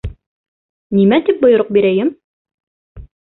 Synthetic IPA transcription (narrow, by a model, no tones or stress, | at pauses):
nimæt̪ip̚bŏjŏɾoq̚biɾæjɘm